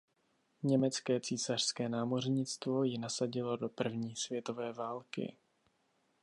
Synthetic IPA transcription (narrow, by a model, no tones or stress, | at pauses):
ɲɛmɛt͡skɛːt͡siːsar̥skɛːnaːmo̞r̝ɲɪt͡st̪vo̞jɪnasaɟɪlo̞do̞pr̩vɲiːsvjɛt̪o̞vɛːvaːlkɪ̰